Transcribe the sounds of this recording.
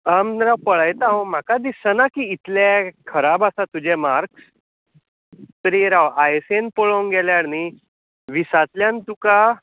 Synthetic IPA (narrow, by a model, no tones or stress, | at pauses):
amɾawpəɭajt̪aɦom̤akad̪isənakiːt̪lekʰəɾabasat̪ud͡ʑɛmaɾks | t̪əɾiɾawajsenpoɭoŋɡɛljaɽni | ʋisat̪ljãnt̪uka